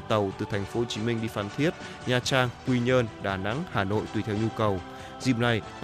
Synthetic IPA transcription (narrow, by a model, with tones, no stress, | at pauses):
t̪ə˨˩wt̪ɨ˨˩t̪ʰa˨˩jŋ̟fo˨˧˦ho˧˩t͡ɕi˨˦mi˧ŋ̟ɗi˧faː˧˩˦nt̪ʰi˦˥ət̚ | ɲaː˨˩t͡ɕaː˧ŋkwi˧ɲəː˧nɗaː˧˩na̰˧˥ŋhaː˧˩no̰˧˨jt̪wi˧˩t̪ʰɛ˧wɲu˧kə˨˩w | zḭ˧˨əm̚na˨˩j